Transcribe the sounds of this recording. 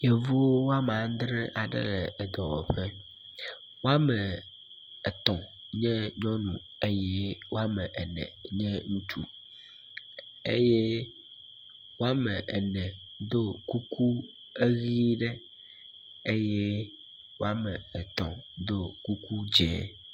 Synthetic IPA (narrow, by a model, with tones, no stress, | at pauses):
je˨vu˦wo˦wo˦a˦m˨ã˨˦d̪ɾẽ˦ʔa˨ɖɛ̰˦lɛ˨ɛ˨d̪ɔ˨wɔ̰˨ɸɛ˦ | wo˦a˦mɛ˨ | ɛ˨t̪ɔ̃˨ | ɲɛ̃˦ɲɔ̃˦nũ˨ | e˦je˦wo˦a˦mɛ˨ʔɛ˨nɛ̰̃˨ɲɛ̃˦ŋũ˦t͡ʃṵ˦ | ḛ˦jɛ˦ | wo˦a˦mɛ˨ʔɛ˨nɛ̃˨ | d̪o˦ku˦kʰu˦ | e˦ɣi˦ɖe˦ | e˦jɛ˦ | wo˦a˦mɛ̃˨ɛ˨t̪ɔ̰̃˨d̪o˦ku˦ku˦d͡ʒɛ˦˨˦